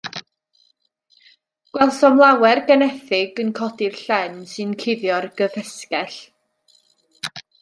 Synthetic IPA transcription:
ɡ̥wɛlˠsɔmlˠawɛrɡɛnɛθɪɡənkʰɔdɪrɬɛnsɨnkʰɪðjɔrɡ̥əðɛskɛɬ

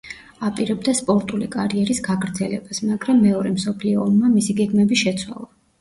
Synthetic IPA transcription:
apʼiɾɛbd̪aspʼɔɾt̪ʼulikʼaɾiɛɾisɡaɡɾd̪zɛlɛb̥asmaɡɾamːɛɔɾɛmsɔpʰliɔːmːamisiɡɛɡmɛbiʃɛt̪sʰwa̰lˠa

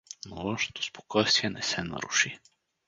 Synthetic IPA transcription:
nolˠɔʃno̥t̪ʰo̥spo̥kʰɔjst̪viɛnɛsɛnɐ̰ɾuʃi

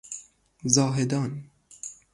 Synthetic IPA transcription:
zɑːɦed̪ɑːn

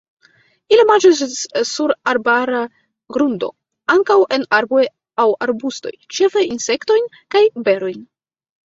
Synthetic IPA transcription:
ilimand͡ʒassuɾaɾbaɾa | ɡɾundo̞̰ | aŋkawʔenaɾbo̞j | awa̰ɾbusto̞̰jt͡ʃe̞feinse̞kto̞jn | kajbe̞ɾo̞jn

